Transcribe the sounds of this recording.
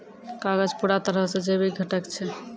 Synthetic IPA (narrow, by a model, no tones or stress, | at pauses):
kaɡəd͡ʒpuɽat̪əɾəɦsẽd͡ʒebiɡʱəʈəkt͡ʃʰɛ